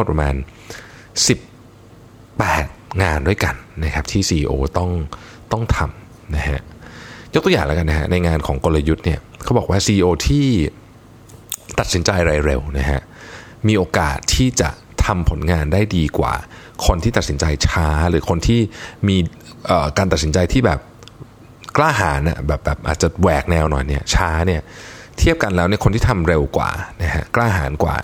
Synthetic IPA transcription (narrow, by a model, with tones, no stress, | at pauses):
m˦˥˩t̚pɾa˧maː˧n | si˨˩pː | ɛː˨˩t̪̚ŋaː˧ndu˥˩əjka˧nːa˦˥kʰa˦˥pt̪ʰiː˥˩siː˧ʔiː˧ʔoː˧t̪ɔ˥˩ŋ | t̪ɔ˥˩ŋt̪ʰa˧m | na˦˥ɦa̰˦˥ʔjo˦˥t̪u˧˨jaː˨˩ŋlɛː˦˥ka˧nːa˦˥ka̰˦˥na˧jŋaː˧nkʰɔː˩˦ŋko˧lːa˧ju˦˥t̪̚ni˥˩ɐkʰa˦˥wbɔː˨˩k̚waː˥˩siː˧ʔiː˧ʔoː˧t̪ʰiː˥˩ | t̪a˨t̪̚si˩˦nt͡ɕa˧jɾaː˧jɾe˧wna˦˥ɦa˦˥ʔ | miː˧ʔoː˧ka̰ː˨˩t̪ʰːiː˥˩t͡ɕa̰˨˩ | t̪ʰa˧mpʰo˩˦nŋaː˧ndaː˥˩jdiː˧kwa̰ː˨˩ | kʰo˧nt̪ʰiː˥t̪a˨t̪̚si˩˦nt͡ɕa˧jt͡ɕʰaː˦˥ɾɯː˩˦kʰo˧nt̪ʰiː˥˩miː˧ | ʔəː˨˩kaː˧nt̪a˨˩t̪̚si˩˦nt͡ɕa˧jt̪ʰiː˥˩bɛ̰ː˨˩p̚ | klaː˥˩ɦaː˩˦nʔa̰˨˩bɛː˨˩p̚bɛː˨˩p̚ʔa̰ː˨˩t̪̚t͡ɕa˨˩wɛː˨˩k̚nɛː˧wnɔ̰ː˨˩jni˥˩ɐt͡ɕʰaː˦˥ni˥˩ɐ | t̪ʰi˦˥˩əp̚ka˧nlɛː˦˥wni˥ɐkʰo˧nt̪iː˥˩t̪ʰa˧mɾe˧wkwa̰ː˨˩na˦˥ɦa̰˦˥klaː˥˩ɦaː˩˦nkwa̰ː˨˩